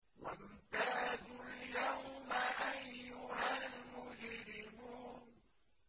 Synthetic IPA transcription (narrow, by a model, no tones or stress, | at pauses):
wa̰nt̪aːdʊljawmaʔajːʊhalmʊd͡ʒɾɪmuːn